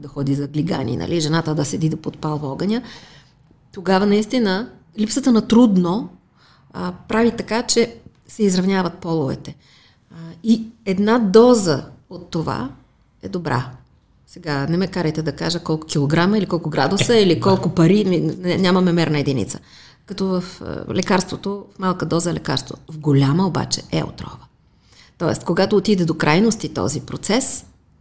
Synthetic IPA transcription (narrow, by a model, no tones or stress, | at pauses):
d̪ɐxɔd̪izɐɡlʲiɡa̰nḭnɐ̰lʔiʒɛnat̪əd̪ɐsɛd̪id̪opot̪̚palˠvɔɡɐnʲə | t̪oɡavɐnɐist̪inə | lipsət̪ənɐt̪ɾud̪no | pɾavit̪ɐkat͡ʃɛ | sɛizɾɐvnʲavɐt̪̚pɔlˠʊvɛ̰t̪ɛ | iɛd̪nad̪ɔzə̰ot̪ːova̰ | ɛ̰d̪obɾa̰ | sɛɡanɛmɛkaɾəjt̪ɛd̪ɐkaʒəkɔlˠkʊ̥kʲilˠoɡɾaməilikɔlˠkʊɡɾad̪ʊsəilikɔlˠkʊpɐɾiminɛnʲamɐmɛmɛɾnəɛd̪inḭt̪sə̥ | kɐt̪ɔvəflɛkaɾst̪vot̪ofmalˠkəd̪ɔzəɛlɛka̰ɾst̪vo̰t̪vɡolʲaməoba̰t͡ʃɛ̰ɛ̰o̰t̪ɾɔ̰və | t̪ɔɛ̰st̪koɡat̪oːt̪id̪ɛd̪okɾʔajnost̪it̪ɔ̰zipɾot̪sɛs